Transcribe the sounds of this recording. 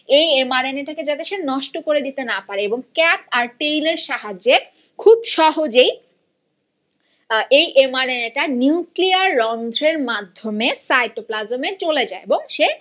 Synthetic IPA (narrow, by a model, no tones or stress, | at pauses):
ejemaɾeneʈaked͡ʑat̪eʃenɔʃʈokoɾed̪it̪enapaɾeeboŋkɛpaɾʈejleɾʃaɦad͡ʑe | kʰubʃɔɦod͡ʑej | ejʔemaɾeneʈaniukliaɾːɔnd̪ʱɾeɾmad̪ʱːomesajʈoplazomet͡ɕoled͡ʑaeeboŋʃe